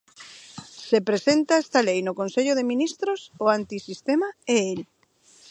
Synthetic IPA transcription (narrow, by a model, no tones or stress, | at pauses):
sepɾesent̪aest̪alejnokonseʎʊðeminist̪ɾosoant̪isist̪emaeel